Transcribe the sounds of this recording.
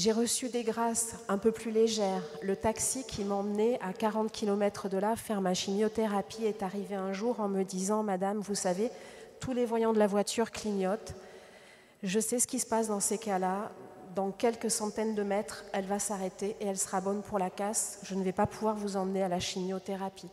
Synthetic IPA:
ʒeʁəsyd̪eɡʁasɛ̃pøplyleʒɛʁlət̪aksikʲʰimɑ̃məneakaʁɑ̃t̪kʲʰilɔmɛt̪χəd̪əlafɛʁmaʃimjot̪eʁapiɛt̪aʁiveɛ̃ʒuʁɑ̃məd̪izɑ̃mad̪amvusavet̪ulevwajɑ̃d̪əlavwat̪yʁkliɲɔt̪ | ʒəsɛsə̥kʲisə̥pasd̪ɑ̃sekalad̪ɑ̃kʲɛlkəsɑ̃t̪ɛnd̪əmɛt̪χɛlvasaʁet̪eʔeɛlsə̥ʁabɔnpʰuʁlakasʒ̥ənəvɛpapuvwaʁvuzɑ̃mənealaʃimjot̪eʁapi

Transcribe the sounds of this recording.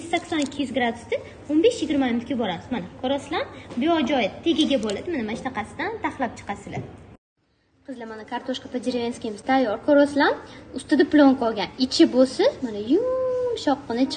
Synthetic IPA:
sakʲsɒnɪkʲʰːijyzɡɾad̪ʊst̪ɪ | onbeʃjɪɡʲɪɾmamɪnʊt̪kʲabɒɾamɪzmanakʰɒɾɒslanbijɒd͡ʒɒjɪt̪ʰe̞ɡʲaɡʲabolad̪ɪmɪnɪmaʃnaqɑsɪd̪ant̪ʰaχlˠap̚t͡ʃʰɨ̥qasɪla | qʰɨzlamanakʰaɾt̪ʰoʃkapad͡ʒɪɾvʲenskʲimɪz̥t̪ʰajɒɾkʰɒɾɒslanʊst̪ɪd̪aplˠoŋkʰɒlˠɡʲanɪt͡ʃʰɪbosɪmanajʊmʃɒqːɨnɪt͡ʃʰ

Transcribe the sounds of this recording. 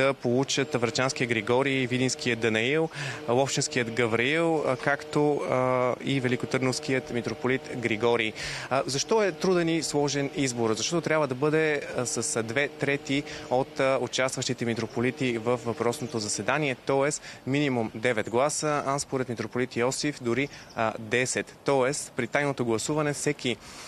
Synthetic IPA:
d̪ɐpolˠut͡ʃət̪ɐvɾɐt͡ʃanskijəɡɾɛɡɔɾivid̪inskijəd̪ɐnɐilˠɔft͡ʃinskijət̪ɡɐvɾiilˠkakt̪o | ivɛlikot̪ɤɾnofsk̟ijət̪mit̪ɾopolit̪ɡɾiɡɔɾizɐʃt̪ɔɛt̪ɾud̪ɛnislˠɔʒɛnizboɾzɐʃt̪ɔt̪ot̪ɾʲabvəd̪ɐbɤd̪ɛsəsd̪vɛt̪ɾɛt̪iot̪ot͡ʃast̪vɐʃt̪it̪ɛmit̪ɾopolit̪ivəfvɐpɾɔsnot̪ozɐsɛd̪aniɛt̪ɔɛsminimumd̪ɛvɛt̪ɡlˠasəanspoɾɛt̪mit̪ɾopolit̪iɔsifd̪ʊɾid̪ɛsɛt̪ːɔɛspɾit̪ajnot̪oɡlˠɐsuvɐnɛfsɛki

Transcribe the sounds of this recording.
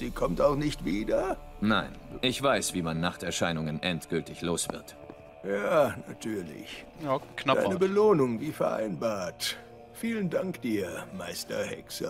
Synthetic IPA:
z̥iːkʰɔmtaʊxnɪçtv̥iːdɐnaɪnʔɪçv̥aɪsv̥iːmanːaχtɛɐʃaɪnʊŋənʔɛntɡ̥ʏltɪçloːsv̥ɪɐt | jaːnatʰyːɐlɪ̰ç | nadaɪnəbəloːnʊŋviːfɛɐʔa̰ɪnbaːɐt | fiːləndaŋkd̥iːɐmaɪstɐ̰hɛ̰ksə̰

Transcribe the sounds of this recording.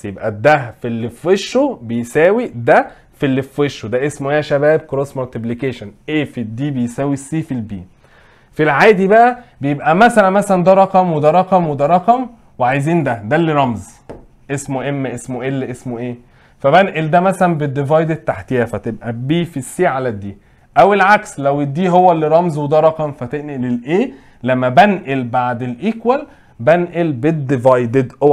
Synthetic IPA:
sjebʔæd̪æfilːefweʃːobejsæːwid̪æ | filːefweʃod̪æʔesmoʔeːæʃæbæːb̚kɾoːsmoɾt̪iblikeːʃonʔeːfid̪iːbejsæːwisːiːfilbiː | filʕaːd̪ibæʔæbejebʔæmæsælænmæsælænd̪æɾˤɑqɑmwed̪æɾˤɑqɑmwed̪æɾˤɑqɑm | weʕajziːnd̪æd̪ælːiɾˤɑmz | ʔesmoʔemːʔesmoʔelːʔesmoʔeː | fæbænʔeld̪æmæsælænbed̪ːevɑjd̪et̪ːaħt̪ejæfæt̪eb̚ʔæbiːfisːiːʕalæd̪ːiː | ʔæwelʕakslæwed̪ːiːɦowːælːiɾˤɑmzwed̪æɾˤɑqɑmfæt̪eʔnʔelelʔeː | læmːæbænʔelbaʕd̪elʔikwæl | bænʔelbed̪ːevɑjd̪ed̪o

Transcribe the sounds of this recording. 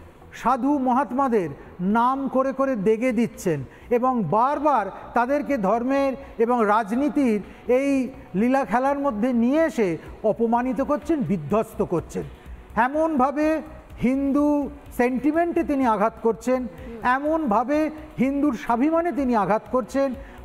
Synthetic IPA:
ʃad̪ʱumɔɦat̪mad̪eɾ | namkoɾekoɾed̪eɡed̪it̪ːɕʰen | eboŋbaɾbaɾt̪ad̪eɾked̪ʱɔɾmeɾeboŋɾad͡ʑnit̪iɾ | ej | lilakʰɛlaɾmod̪ʱːenijeeʃeɔpomanit̪̬okoɾt͡ɕʰenbid̪ʱːost̪okoɾt͡ɕʰen | ɛmonbʱabe | ɦind̪u | seɳʈimeɳʈet̪iniaɡʱat̪koɾt͡ɕʰenɛmonbʱabe | ɦind̪uɾʃabʱimanet̪̬iniaɡʱat̪koɾt͡ɕʰen

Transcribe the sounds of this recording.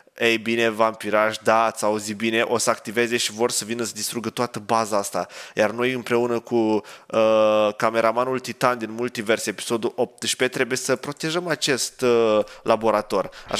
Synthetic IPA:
ejbine̞vampiɾaʃd̪at̪sauzibine̞ʔo̞səakt̪ive̞ze̞ʃivo̞rsəvinəsəd̪ist̪ɾuɡət̪oat̪əbazaast̪ajarno̞jɨmpɾe̞unəkuəkame̞ɾamanult̪it̪and̪inmult̪ive̞rse̞pi̥so̞d̪uʔo̞p̚t̪ʃpe̞t̪ɾe̞buje̞səpɾo̞t̪e̞ʒəmat͡ʃe̞st̪labo̞ɾat̪o̞rʲa̰

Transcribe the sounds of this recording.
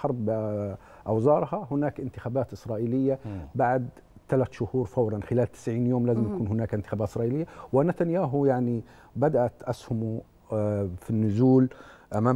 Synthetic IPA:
ħɑɾˤb | ʔɑwzɑːɾˤhɑɦʊnaːkʔɪnt̪ɪxaːbaːt̪ʔɪsɾˤɑːʔiːlɪjːabaʕd̪ | t̪alat̪ʃʊhuːɾˤfawɾˤɑnxɪlaːlt̪ɪ̥sʕiːnjoːmlaːzɪmjakʰuːnɦʊnaːkʔɪnt̪ɪ̥xaːbaːt̪ɪsɾˤɑːʔiːlɪjːawɪnat̪anjaːɦʊjaʕni | bad̪aʔat̪ʔashʊmu | finːʊzuːlʔamaː

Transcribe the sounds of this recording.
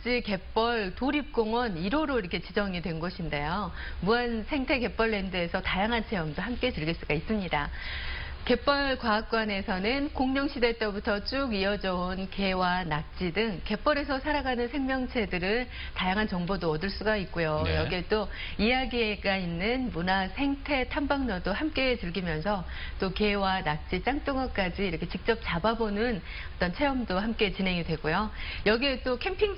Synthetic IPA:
t͡ɕ͈ike̞p͈ʌɭtoɾip̚k͈oŋwʌniɾoɾoiɾʌkʰe̞t͡ɕid͡ʑʌŋidwe̞nɡʌɕʰinde̞jomuansʰe̞ŋtʰe̞ke̞p͈ʌɭːe̞ndɯe̞sʰʌtajaŋɦant͡ɕʰejʌŋdohamk͈e̞tɯɭɡeɭs͈uɡais͈ɯmɲida | ke̞p͈ʌɭkwaak̚k͈wane̞sʰʌnɯnkoŋɲʌŋɕʰide̞t͈ʌbutʰʌt͡ɕ͈uɡiʌd͡ʑʌonke̞wanak̚t͡ɕ͈idɯŋke̞p͈ʌɾe̞s̬ʰʌsʰaɾaɡanɯnsʰe̞ŋmjʌŋt͡ɕʰe̞dɯɾɯ | tajaŋɦant͡ɕʌŋbodoʌdɯɭs͈uɡait̚k͈ojojʌɡiet͈o | ijaɡieɡainːɯnmunasʰe̞ŋtʰe̞tʰambaŋɲʌdoɦamk͈e̞t͡ɕɯɭɡimjʌnsʰʌ | t͈oke̞wanak̚t͡ɕ͈it͡ɕ͈aŋt͈oŋʌk͈ad͡ʑiːɾʌkʰe̞t͡ɕik̚t͡ɕ͈ʌp̚t͡ɕ͈ababonɯn | ʌt͈ʌnt͡ɕʰe̞ʌmdoɦamk͈e̞t͡ɕinɦe̞ŋidwe̞ɡojojʌɡiet͈okʰe̞mpʰiŋ

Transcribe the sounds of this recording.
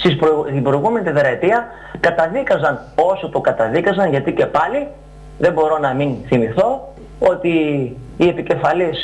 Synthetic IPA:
sispoibɾojɣume̞nit̪eðeɾɐt̪iɐ | kɐt̪ɐðikɐzɐn | o̞sot̪okɐt̪ɐðikɐzɐnʝɐt̪ice̞pɐli | ðe̞bo̞ɾo̞nɐminθimiθo̞ | o̞t̪iː | e̞pice̞fɐlis

